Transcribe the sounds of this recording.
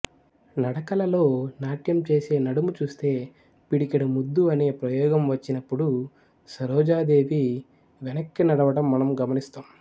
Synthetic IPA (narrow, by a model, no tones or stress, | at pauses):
nɐɽɐkɐlɐlo̞ːnaːʈjɐmt͡ʃe̞ːse̞ːnɐɽumut͡ʃuːst̪e̞ː | piɽikɐɽumud̪ːuɐne̞ːpɾɐjɔːɡɐmʋɐt͡ʃːinɐpːuɽu | sɐɾɔːd͡ʒaːd̪e̞ːʋi | ʋɛnɐkːinɐɽɐʋɐɽɐmːɐnɐmɡɐmɐnist̪aːm